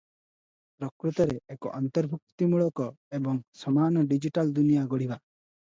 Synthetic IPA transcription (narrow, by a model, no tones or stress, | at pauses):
pɾɔkɾut̪ɔɾɛːkɔ̰ʔɔnt̪ɔɾbʱuk̚t̪imuɭɔkɔ | ebɔŋsɔmanɔɖid͡ʒiʈald̪unijaɡɔɽiba